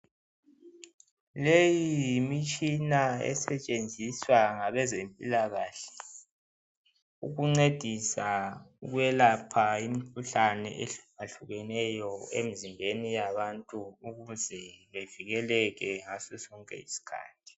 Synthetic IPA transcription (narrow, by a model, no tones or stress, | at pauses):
lejijimit͡ʃʼinaɛ̰sɛt͡ʃʼend͡zʱiswaŋaβɛzempʼḭlaɣaːɬɛ̥ | uɣuŋ͡ǀed̥ʱisauɣujɛlapʰaimikʰuɬanɛ̰ʔeɬaɬuɣɛnɛjɔḛmizimbʱenijaβantʼuuɣuzɛβeviɣɛlɛɣɛŋasɛsɔŋkʼɛ̰ḭsi̥kʰa̰ːtʰi̥